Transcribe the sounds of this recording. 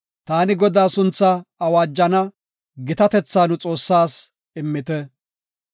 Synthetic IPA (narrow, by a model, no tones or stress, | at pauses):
t̪aːnɪɡɔd̪aːsʊnt͡sːɐɐwaːd͡ʒːɐnɐ | ɡɪt̪ɐt̪ɛt͡sːaːnʊt͡sʼo̞ːsːaːs | ɪmːɪt̪ɛ